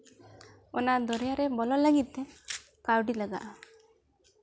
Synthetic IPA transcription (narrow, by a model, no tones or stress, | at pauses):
ɔnad̪ɔɾjaɾebɔlɔlaɡit̪e | kawɖilaɡaʔa